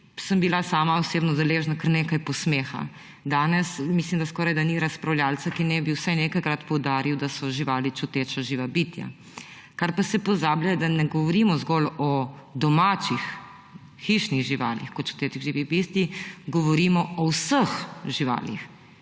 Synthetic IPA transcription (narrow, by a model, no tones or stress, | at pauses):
səmbilasaːmaɔseːbnɔd̪ɛleːʒnakəɾneːkajpɔsmeːxa̰ | d̪aːnɛsmislimd̪askɔːɾajd̪aniɾaspɾawljaːlsakinɛbiwsajnekajkɾat̪pɔwd̪aːɾiwd̪asɔʒiʋaːlit͡ʃut̪et͡ʃaʒiːʋabit̪ja̰ | kaɾpasɛpɔzaːblajɛd̪anɛɡɔʋɔɾimɔzɡɔlɔd̪ɔmat͡ʃix | xiʃniɣʒiʋa̰ːlḭxkɔt̪̚t͡ʃu̥t̪eːt͡ʃiɣʒiːʋibist̪iɡɔʋɔɾiːmɔɔwsəxʒiʋa̰ːlḭx